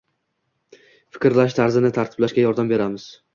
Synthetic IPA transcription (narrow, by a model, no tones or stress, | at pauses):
fɪ̥kʲɾlaʃt̪ʰaɾzɪnɪt̪ʰaɾt̪ʰɪ̥blaʃkʲajɒɾd̪ambe̞ɾamɪz̥